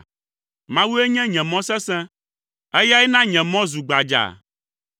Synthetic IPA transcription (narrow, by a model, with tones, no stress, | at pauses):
mã˦wu˦e˦ɲɛ̃˦ɲɛ̃˨mɔ̃˦sɛ̃˦sɛ̃˦ | ɛ˦ja˦ɛ˦nã˦ɲɛ̃˨mɔ̃˦zu˨ɡ͡ba˨d͡ʒa̰˨